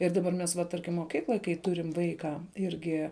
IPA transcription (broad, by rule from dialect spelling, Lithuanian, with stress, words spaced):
ɪr ˈdɑːˌbɐr ˈmʲɛs ʋɐ ˈtɐrʲkʲɪm moːˈkʲiːklˠoːj kɐɪ ˈtʊrʲɪm ˈʋɐɪkɐ ˈɪrʲɡʲɪ